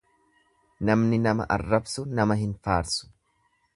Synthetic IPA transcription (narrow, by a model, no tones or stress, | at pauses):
nɐmnɪnɐmɐ̰ʔɐ̰rːɐbsʊnɐmɐɦɪnfaːɾsʊ̥